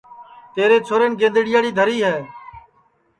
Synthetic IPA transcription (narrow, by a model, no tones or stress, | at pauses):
t̪eːɾeːt͡sʰoːɾeːnɡẽːnd̪əɽɪjaːɽiːd̪ʱəɾiːɦɛː